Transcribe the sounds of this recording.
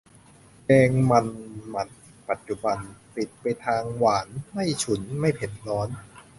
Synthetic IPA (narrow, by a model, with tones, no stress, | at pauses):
kɛː˧ŋma˧nma˧˥n̚˨pa˨˩t̪̚t͡ɕu˨˧˩ba˧npi˨˩t̪̚pa˧jt̪ʰaː˧ŋwaː˩˦nma˥˩jt͡ɕʰu˩˦nma˥˩jpʰe˨˩t̪̚lɔː˦˥n